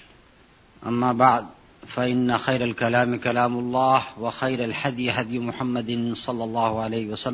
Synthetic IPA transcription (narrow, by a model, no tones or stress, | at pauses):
ʔamːaːbaʕd̪̚ | faʔɪnːaxajɾalkalaːmɪkalaːmʊlˤːɑːhwaxajɾalħad̪jɪɦad̪jʊmʊħamːad̪sˤɑlːɑlˤːɑːhʊʕalajhɪwasalː